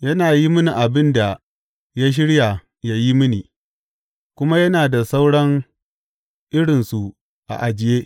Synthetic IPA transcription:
jɐ˦naː˨ji˦mʊ˦ni˨ʔa˨bɪ˦nda˨ | ja˦ʃ̬ɪ˦ɽja˨ | ja˦ji˦mɪ˦niː˨ | kʷʊ˦ma˦jɐ˦naː˨da˨sa˦wɽɐ˦ŋ | ʔɪ˦ɽɪ˨nsu˨ | ʔa̰˨ʔa˨d͡ʒɪ˦˨jeː˦ʔ

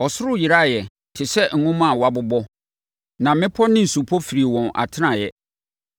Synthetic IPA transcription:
ɔ˨sʊ˦ɾʊ˦˨jɪ˨ɾa˦˨jɛ˨ | tʰɪ˨sɛ˦ŋ̩˨nʊ̃˦mã˦˨wa˦bʊ˦bɔ˦ | nã˨mɪ̃˦pʰɔ˦nɪ̃˦n̩˨su˨pʰɔ˦fi˨ɾi˨wɔ̃˨nʔa̰˨tʰɪ˦nã˨jɛ˦

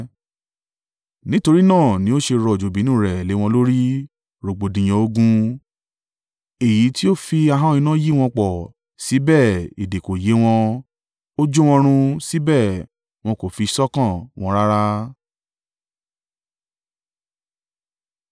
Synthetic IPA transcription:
nĩ˦to˧ɾi˦nãː˦˨nĩ˨˦o˦ʃe˧ɾɔ˧˨d͡ʒo˨bi˨˦nũ˦˨ɾɛ˨le˨˦w̃ɔ̃˧lo˦ɾi˦ | ɾo˨ɡ͡bo˨dĩ˨j̃ɔ̃˧o˧ɡũ˧ | e˨ji˨˦ti˦o˦fi˧a˧ɦã˦ĩ˧nã˦ji˦w̃ɔ̃˧k͡pɔ˨ | si˨˦bɛː˦˨i˨de˨ko˨je˨˦w̃ɔ̃˧ | o˦d͡ʒu˦w̃ɔ̃˧ɾ̃ũ˧si˨˦bɛː˦˨ | w̃ɔ̃˧ko˨fi˧sɔ˦kã˦˨w̃ɔ̃˧ɾa˦ɾa˦

